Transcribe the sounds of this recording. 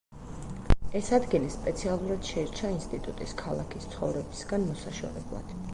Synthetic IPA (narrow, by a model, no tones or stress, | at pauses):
ɛsad̪ɡilispʼɛt̪sʰialˠuɾad̪̥ʃɛɛɾt͡ʃʰainst̪ʼit̪ʼut̪ʼiskʰalˠa̰kʰist̪sʰχɔvɾɛbisɡanmɔsaʃɔ̰ɾɛ̰blˠa̰d̪̥